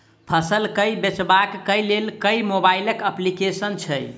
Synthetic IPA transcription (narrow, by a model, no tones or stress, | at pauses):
pʰəsəlkəjbet͡ʃbakːəjlelkəjmobailəkəplikesənt͡ʃʰəj